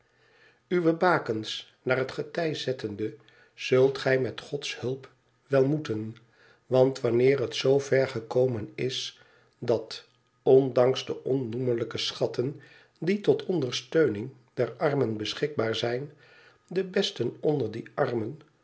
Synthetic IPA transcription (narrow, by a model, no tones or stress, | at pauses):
yʋəbaːkəns | naːɹɦətχətɛjzɛtəndə | z̥ɵlˠtχɛjmɛtχɔtshɵlˠp | ʋɛlˠmutən | ʋɑntʋɑnɪːɹɦətsowvɛɹχəkowmənɪs | dɑt | ɔndɑŋzdəʔɔnːumələkəsχɑtən | ditɔtʰɔndəɹstøɥnɪŋ | d̥ɛɹɑɹmənbəsχɪɡ̚baːɹzɛjn | dəbɛstənɔndəɹdiʔɑɹmən